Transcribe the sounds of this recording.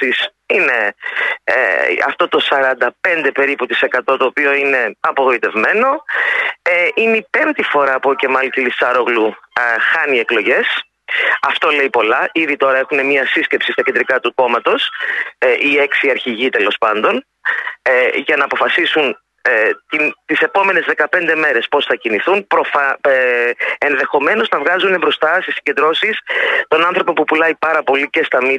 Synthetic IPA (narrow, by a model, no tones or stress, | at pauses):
is | ine̞̰ | ɐ̰ft̪o̞t̪o̞sɐɾɐnd̪ɐpe̞nd̪e̞pe̞ɾiput̪ise̞kɐt̪o̞t̪o̞ːpio̞ine̞ɐpo̞ɣo̞it̪e̞vme̞no̞ | eʔineipe̞nt̪ifo̞ɾɐːpoːce̞mɐlit̪ilisɐɾo̞ɣluxɐnie̞klo̞ʝe̞s | ɐft̪o̞le̞ipo̞lɐʔiðit̪o̞ɾɐe̞xune̞mɲɐsisce̞psist̪ɐkcend̪ɾikɐt̪uko̞mɐt̪o̞s | ie̞ksiɐɾçiʝit̪e̞lo̞spɐnd̪o̞n | ʝɐnɐːpo̞fɐsisun | t̪int̪ise̞po̞me̞ne̞zðe̞kɐpe̞nd̪e̞me̞ɾe̞spo̞sθɐciniθunpɾofɐ | enðe̞xo̞me̞no̞znɐvɣɐzunebɾo̞st̪ɐst̪isi̥ɲɟe̞nd̪ɾo̞sist̪o̞nɐnθɾopo̞pupulɐipɐɾɐpo̞lice̞st̪ɐmi